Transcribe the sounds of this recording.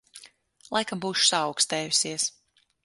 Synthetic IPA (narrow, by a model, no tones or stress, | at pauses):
lˠajkambuːʃu̥saɑwkst̪ɛːjusiɛs